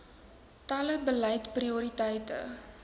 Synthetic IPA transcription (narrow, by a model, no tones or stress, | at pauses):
tɐləbəlɐjtpriuɾitɐjtə̰